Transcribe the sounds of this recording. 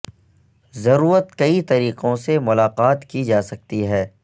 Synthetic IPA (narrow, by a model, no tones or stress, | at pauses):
zɐɾuːɾət̪kɐit̪ɐɾiːqõsemʊlaːqaːt̪kid͡ʒaːsɐk̚t̪iɦɛː